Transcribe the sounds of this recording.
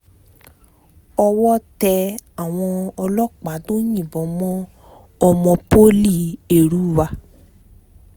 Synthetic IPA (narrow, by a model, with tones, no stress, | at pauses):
ɔ˧wɔ˦tɛ˧a˨w̃ɔ̃˧ɔ˧lɔ˦k͡pa˨˦to˦ɲĩ˦˨bɔ̃˨˦mɔ̃˦ | ɔ˧mɔ̃˧po˦li˦˨e˦˨ɾu˨˦˨wa˧